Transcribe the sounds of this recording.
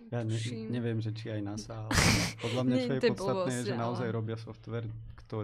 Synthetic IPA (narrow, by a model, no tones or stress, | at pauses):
jaːɲɛɲɛʋɪjɛmʒɛt͡ʃiajnasaːlpɔd̪lamɲat͡ʃɔjɛɔtt͡st̪atnɛːjɛʒɛnaɔzajɾɔbɪasɔft̪ʋɛɾkt̪ɔ